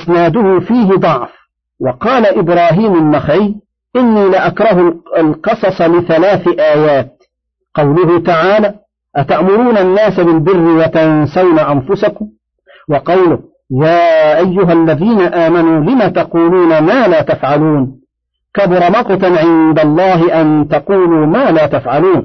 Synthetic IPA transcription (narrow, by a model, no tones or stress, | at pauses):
ɪsnaːd̪ʊhʊfiːɦɪd̪ˤɑʕf | wɑqɑːlaʔɪbɾɑːɦiːmalmaxʕɪj | ʔɪnːiːlɪʔakɾˤɑɦʊlalqɨsˤɑsˤɑlɪθalaːθʔaːjaːt̪ | qɑwlʊɦʊt̪aʕaːlaː | ʔat̪aʔmʊɾuːnanːaːsabɪlbɪrːɪwat̪ansawnaʔanfʊsakʊm | wɑqɑwlʊh | jaːʔajːʊɦalːaðiːnaʔaːmanuːlɪmat̪ɑquːluːnamaːlaːt̪afʕaluːn | kabɾˤɑmɑqɑt̪ʕɪnd̪alˤːɑːɦɪʔant̪ɑquːluːmaːlaːt̪afʕaluːn